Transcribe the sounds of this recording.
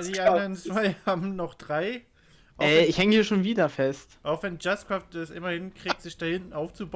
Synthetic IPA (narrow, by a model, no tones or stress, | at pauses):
diːʔandɐʁənt͡sv̥aɪhaːbm̩nɔχd̥ʁaɪ | ʔʔaɛːɪçhɛŋəhiːɐʃoːnviːdɐfɛstʔaʊxvɛnd͡ʒaskʁ̥aftdɛsʔɪmɐhɪnkʁ̥iːk̚tz̥ɪçd̥ahɪntn̩ʔaʊft͡sub